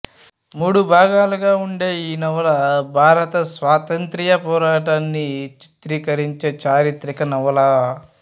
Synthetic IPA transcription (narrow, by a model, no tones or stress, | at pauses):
muːɽubʱaːɡaːluɡaːuɳɖe̞ːiːnɐʋɐlɐbʱaːɾɐt̪ɐsʋaːt̪ɐnt̪ɾijɐpɔːɾaːʈaːnːit͡ʃi̥t̪ɾiːkɐɾiɲt͡ʃeːt͡ʃaːɾit̪ɾikɐnɐʋɐlɐ